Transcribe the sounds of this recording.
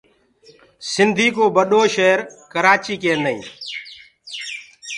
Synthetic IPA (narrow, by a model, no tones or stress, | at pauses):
sɪnd̪ʱiːkoːbəɗoːʃeːɾkəɾaːt͡ʃiːkẽːnəḭ̃ː